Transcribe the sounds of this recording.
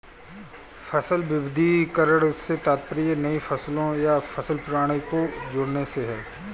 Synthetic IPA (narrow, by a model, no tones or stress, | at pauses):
fɐsəlʋɪbɪd̪ʱikɐɾəɽset̪aːt̪̚pɾijənɐifɐslõjafʰɐsəlpʊɾaːɽ̃ikod͡ʒʊːɽneseɦɛː